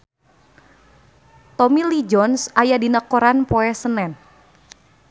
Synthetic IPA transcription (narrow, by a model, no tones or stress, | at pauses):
t̪ɔmilid͡ʒɔnsajadinakɔɾanpoɛsənɛn